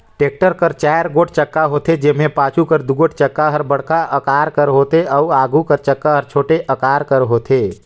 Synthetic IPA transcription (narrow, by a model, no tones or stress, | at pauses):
ʈek̚ʈəɾkəɾt͡ʃajɾɡoʈt͡ʃəkːaɦoːt̪ed͡ʒemẽpat͡ʃukəɾd̪uɡoʈ̚t͡ʃəkːaɦəɾbəɽkaʔəkaːɾkəɾɦot̪eəuaɡukəɾt͡ʃəkːaɦəɾt͡ʃʰoːʈeʔəkaːɾkəɾɦot̪ʰe